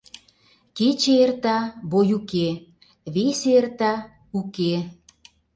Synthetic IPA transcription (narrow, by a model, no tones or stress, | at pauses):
ket͡ɕeert̪ɑbojuke | βeseert̪ɑ | uke